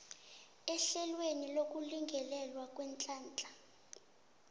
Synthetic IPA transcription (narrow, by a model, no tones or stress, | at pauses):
ɛɬɛlwenilok̬ʼuliŋɡʱɛlɛlwak̬ʼwɛnt͡ɬʼaːnt͡ɬʼa